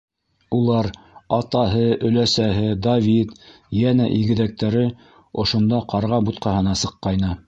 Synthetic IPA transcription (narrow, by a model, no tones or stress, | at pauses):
ulˠɑɾ | ɑt̪ɑɦɤɵ̆læsæɦɘd̪ɐvʲit̪ | jænæʔiɡɘ̆ðæk̚t̪æɾɘ | ŏʃŏnd̪ɑqɑɾʁɑbut̪̚qɑhɤ̆nɑsɤ̆qːɑjnɤ